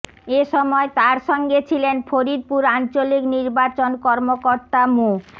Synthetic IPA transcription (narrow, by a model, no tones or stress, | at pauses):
eʃɔmɔet̪aɾʃɔŋɡet͡ɕʰilenpʰoɾid̪̚puɾant͡ɕolikniɾbat͡ɕonkɔɾmokoɾt̪amu